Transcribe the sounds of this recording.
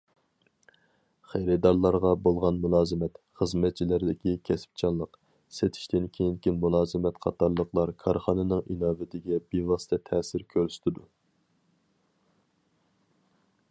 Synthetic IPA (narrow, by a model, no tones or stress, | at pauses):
χejɾɪd̪ɑɾlˠɑɾʁɑbolˠʁɑnmulˠɑːzɨmɛt̪χəzmɛt̪̚t͡ʃʰilɪɾd̪ɪkʲikʲʰɛsɪ̥p̚t͡ʃʰɑnlˠəq | set̪ʰi̥ʃt̪ɪnkʲʰejiŋkʲinmulˠɑːzɨmɛt̪qʰɑ̰t̪ʰɑɾlˠəqlˠɑɾkʰɑɾχɑnɨnɨŋʔinɑːvɪt̪ʰɪɡʲɛbevɑst̪ʰɛt̪ʰɛːsɪɾkʲʰøɾsy̥t̪ʰɪd̪u